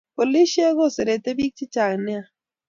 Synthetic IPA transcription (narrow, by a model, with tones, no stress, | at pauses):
po˨li˦ʃe˦ɣo˦˨se˨ɾe˨te˦bi˦k̚t͡ʃi˦t͡ʃa˨knɪ˦a˨